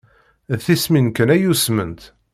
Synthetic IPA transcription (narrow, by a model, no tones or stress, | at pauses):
θisminkənæjusmənt̪